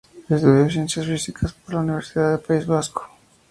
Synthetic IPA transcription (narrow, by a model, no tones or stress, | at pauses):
est̪uðos̬ensjazβisikʰaspoɾlauniβeɾsiðaðepaizβaskʰo̥